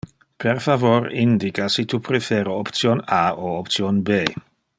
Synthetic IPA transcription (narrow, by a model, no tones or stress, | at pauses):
perfavoɾind̪ikasit̪upɾefeːɾoopt̪sjonaoopt̪sjonbe